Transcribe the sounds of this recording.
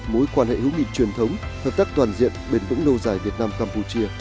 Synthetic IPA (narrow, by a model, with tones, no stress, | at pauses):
mo˨˦jkwaː˧nhḛ˧˨hɨ˨˦wŋḭ˧˨t͡ɕwi˨˩ənt̪ʰə˨˦wŋ͡mhəː˨˩p̚t̪aː˦˥k̚t̪waː˨˩nzḭ˧˨ənɓe˧˩nvɨ̰˧˥ŋlo˧zaː˧˩jvi˨˩ət̚naː˧mkaː˧mpu˧t͡ɕi˧ə